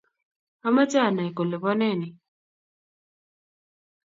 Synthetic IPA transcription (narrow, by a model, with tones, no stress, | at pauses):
a˦ma˦t͡ʃa˦˨na˨i˨ko˨le˨βɔ˦nɛ˦˨nɪ˨